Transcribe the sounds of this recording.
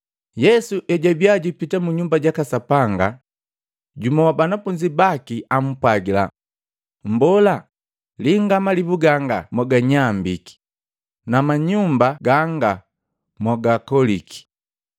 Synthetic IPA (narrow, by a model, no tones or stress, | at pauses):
jɛsuʔɛɟabjaɟipitamuɲumbaɟakasapaŋɡa̰ | ɟumɔwabanafuɲd͡ʒibakiʔam̩pwaɡila̰ | m̩bɔla | liŋɡamalibuɡaŋɡamɔɡaɲambiki̥ | namaɲumbaɡaŋɡa | mɔɡakɔliki̥